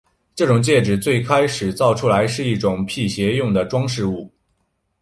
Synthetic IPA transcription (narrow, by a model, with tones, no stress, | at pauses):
ʈ͡ʂɤ˥˩ʈ͡ʂʊ˨˩ŋt͡ɕjɛ˥˩ʈ͡ʂɻ̩˨˩t͡swe˥˩ɪkʰa˥ɪʂɻ̩˨˩t͡sɑ˥˩ʊʈ͡ʂʰu˥la˧˥ɪʂɻ̩˥˧i˥˩ʈ͡ʂʊ˨˩ŋpʰi˥˩ɕjɛ˧˥jʊ˥˩ŋd̪ə˩ʈ͡ʂwɑ˥ŋʂɻ̩˥˧u˥˩